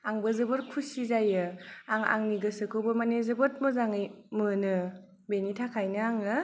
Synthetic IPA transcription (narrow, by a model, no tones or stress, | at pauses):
aŋbɐzɯbɯɾkʰusizajɯaŋa̰ŋniɡɯsɯkʰowbɐmanezɯbɯt̚mɯzaŋɯjmɯnɯ | benitʰakʰajnɯaŋɯ